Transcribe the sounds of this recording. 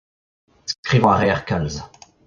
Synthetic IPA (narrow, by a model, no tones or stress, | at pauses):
skχivɑ̃ʁɛɛʁkalz